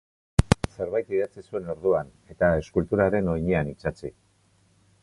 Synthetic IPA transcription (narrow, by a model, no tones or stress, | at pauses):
se̞ɾβajt̪iðat͡sisue̞no̞ɾðuan | e̞t̪ae̞skult̪uɾaɾe̞no̞jɲeanit͡sat͡si